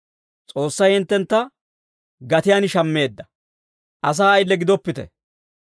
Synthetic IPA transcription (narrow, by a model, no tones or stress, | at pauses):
t͡sʼo̞ːsːɐjhɪnt̪ːɛnt̪ːɐ | ɡɐt̪ɪjaːnɪʃɐmːe̞ːd̪ːɐ̥ | ʔɐs̬aːɐjlːɛɡɪd̪ɔpːɪt̪ɛ̰